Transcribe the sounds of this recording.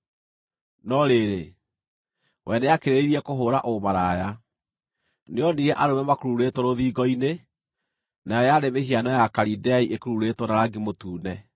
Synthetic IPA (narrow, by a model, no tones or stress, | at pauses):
nɔɾeɾe | wʔɛneakeɾeiɾiɛkoɦoːɾaʔomaɾaja | neɔniɣɛʔaɾomɛmakoɾuɾetwɔɾoðiːɡɔine | najɔjaɾemeɦianɔjakaɾidɛiʔekoɾuɾetwɔnaɾaɡimotuːnɛ